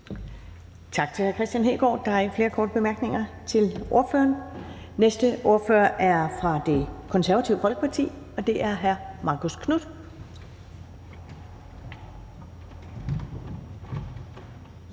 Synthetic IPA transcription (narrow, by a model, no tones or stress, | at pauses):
t͡sʰɑ̈ɡ̥̚t͡sʰe̝læɐkʰʁɛsd̥jænɦḛːɡ̥ɒ̰ːd̥ɑ̈æɐfle̝ːɐkʰɒːd̥əb̥e̝mæɐɡ̥ne̝ŋɐ | t͡sʰe̝lʔo̝ɐfø̰ːɐn | nesd̥əʔo̝ɐfø̰ɐʔæɐfʁɑ̈d̥e̝kʰɒ̽nsæɐʋɐt͡sʰḭʊəfɒ̽lɡ̥əpʰɑ̈t͡sʰḭː | ɒ̽d̥e̝ʔæɐɦæɐmɑ̈ːkʰo̝skʰnud̥